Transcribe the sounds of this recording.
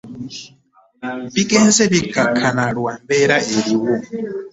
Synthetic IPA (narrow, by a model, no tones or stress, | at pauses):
bikʼɛnsɛβikʰakʰanaɺwambɛɾaʔeɺiwɔ